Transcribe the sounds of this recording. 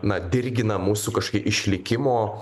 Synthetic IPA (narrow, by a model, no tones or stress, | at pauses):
nɐd̪ʲɪɾʲɡʲɪnɐmuːsukɐʃkɐɪʔɪʃʲlʲɪkʲɪmoː